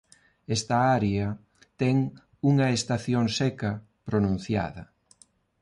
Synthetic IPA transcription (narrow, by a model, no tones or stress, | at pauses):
ɛst̪ɐaɾeɐ | t̪ɛŋ | uŋɐest̪aθjoŋsɛkɐ | pɾonũn̟θja̰ðɐ